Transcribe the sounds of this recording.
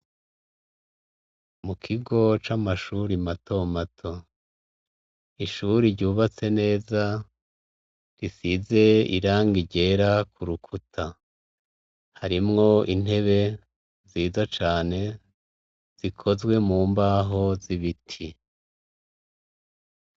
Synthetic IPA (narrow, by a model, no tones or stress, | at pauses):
mukʰiɡo̞t͡ʃamaʃuːɾimatʰo̞matʰo̞ | iʃuɾiɾɟuːβat͡se̞ne̞ːza | ɾisize̞ḭɾaːŋɡiɟe̞ɾakʰuɾukʰutʰa | haɾimŋo̞in̥he̞βe̞ | ziːzat͡ʃaːne̞ | z̥ikʰo̞zɡwe̞muːmbaːɦo̞ziβitʰi